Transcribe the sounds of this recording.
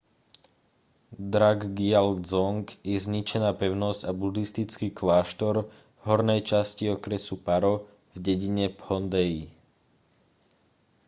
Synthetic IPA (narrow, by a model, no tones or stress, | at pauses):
d̪ɾaɡɡialɡd͡zɔŋɡjɛzɲit͡ʃɛnaːpɛʊnɔzɟabud̪ist̪it͡skiːklaːʃt̪ɔɾ | ɦɔɾnɛjt͡ʃasciɔkɾɛsupaɾɔ | vɟɛɟiɲɛphɔnd̪ɛji